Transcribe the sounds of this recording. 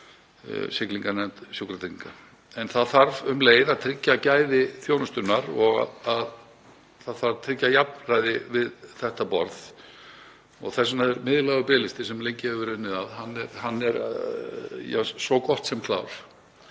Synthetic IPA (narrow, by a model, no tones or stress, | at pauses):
sɪkliŋkanɛm̥t̪sjukɾat̪ɾiŋka | ɛnθaðθaɾvʏmleːjðaðt̪ʰɾɪcːacaːjðɪθjownʏst̪ʏnːaɾɔɣa̰að | θaðθaɾvt̪ʰɾɪcːajap̚nrajðɪvɪðθɛht̪apɔ̰ɾð | ɔ̰ɣθɛs̬anaðɛɾmɪðɪlaːɣʏpɪːlɪst̪ɪsɛmlejɲcɪhɛvvʏɾʏnːɪðaðɦanːɛɾhanːɛɾ | ja̰sɔkɔht̪sɛmkʰla̰wɾ̥